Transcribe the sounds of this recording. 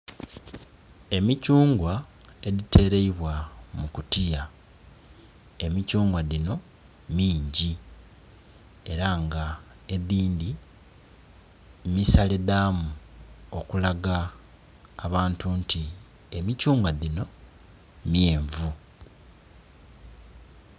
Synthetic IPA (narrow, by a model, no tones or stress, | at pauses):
e̞micuːŋɡwa | e̞ðite̞ːɾe̞iβwamukutija | e̞micuːŋɡwadino̞ | miːɲɟi | e̞ɾaŋɡa | e̞ðiːndi | misaleðaːmuo̞kulaɡaː | βaːntuntʰi | e̞micuːŋɡwaðino̞ | mje̞ːɱvu